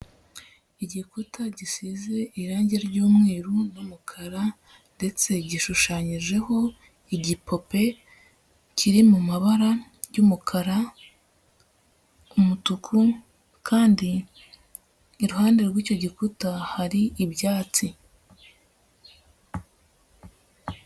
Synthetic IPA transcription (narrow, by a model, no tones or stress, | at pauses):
iɟikutaɟisize̞ʔiɾaːɲɟeɾɟuːmŋe̞ːɾunumukʰaɾa | nde̞t͡se̞ɟiʃuʃaːɲiʒe̞ho̞ | iɟipo̞pe̞ | cʰiɾimumaβaɾajumukʰaɾa | umutukʰu | kʰaːndi | ɾuhaːnde̞ɾɡwiːco̞ɟikutahaɾiːbjaːt͡si